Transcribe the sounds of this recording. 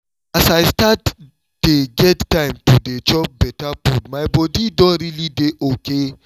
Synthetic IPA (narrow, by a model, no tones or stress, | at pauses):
asajstat | d̥eɡɛdtãɪ̃mtudet͡ʃɔp̚bɛtapudmajbɔdidɔ̃ɾilideʔoke